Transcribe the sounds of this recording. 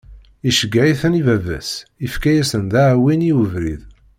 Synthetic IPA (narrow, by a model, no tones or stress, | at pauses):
iʃəɡːæiθənivævæ̰sifkæjæsənd̪æʕwiniuvɾḭð